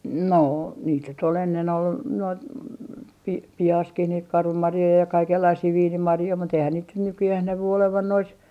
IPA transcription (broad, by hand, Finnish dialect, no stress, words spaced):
noː niːt nyt ol enːen ol noit pi pihɑskih niːt kɑrʋɑmɑrjoi jɑ kɑikelːɑisiː ʋiːnimɑrjoi mut eihæn niːt nyt nykyjæh næʋy oleʋɑn nois